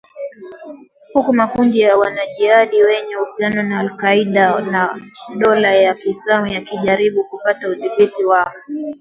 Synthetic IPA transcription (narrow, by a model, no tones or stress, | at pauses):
hukumakundijawanaʄiaɗiwɛɲɛhusianɔnaːlkaiɗanaɗɔlajakiːslamujakiʄaɾiɓukupatauðiɓitiwaɔ